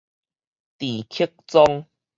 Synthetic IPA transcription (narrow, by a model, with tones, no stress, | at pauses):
t̪i˨˩kʰi˦k̚t͡sɔ˧ŋ